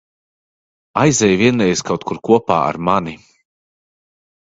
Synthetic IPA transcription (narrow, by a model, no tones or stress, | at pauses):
ajzɛjviɛnɾɛjskawt̪kʰuɾkuɔpa̰ːa̰ɾmani